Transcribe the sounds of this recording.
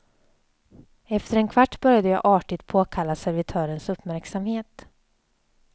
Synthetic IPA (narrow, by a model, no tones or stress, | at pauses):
ɛft̪əɾɛnkʰvaʈːbœɾjad̪əjɑ̰ːʔɑːʈɪt̪pʰoːkʰalːasæɾvɪt̪ʰœːɾənsɵpːmæɾksamheːt̪